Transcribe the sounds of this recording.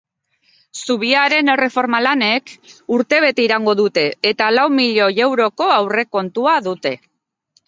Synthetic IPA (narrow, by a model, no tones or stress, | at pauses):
suβ̞iaɾe̞nere̞fo̞ɾmalane̞kuɾt̪e̞β̞e̞t̪e̞iɾaŋɡo̞ðut̪e̞ːt̪alawmiʎo̞je̞wɾo̞ko̞awre̞ko̞nt̪uaðut̪e̞